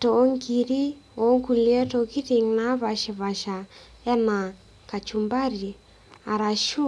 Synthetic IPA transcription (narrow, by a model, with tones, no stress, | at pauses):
to˨˦ŋɡi˨ɾi˦ | o˨˦ŋɡu˨ljɛ˦to˨ki˦ti˨ŋna˦βa˨ʃɪ˨βa˨ʃa˨ | ɛ˦na˨ | ka˨t͡ʃu˨mba˦ɾi˨ | a˨ɾa˨ʃu˦